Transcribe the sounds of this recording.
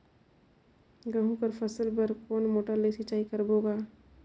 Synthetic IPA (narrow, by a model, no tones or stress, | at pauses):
ɡɐɦũkəɾpʰɐsəlbɐɾkoːnmoːʈəɾlesit͡ʃaːikɐɾboːɡaː